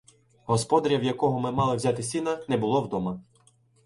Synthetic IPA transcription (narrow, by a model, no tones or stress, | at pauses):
ɦɔspɔd̪ɐɾʲɐwjɐkɔɦɔmɪmɑlˠɪwzʲɑt̪ɪsʲinɐnɛbʊlˠɔwd̪ɔmɐ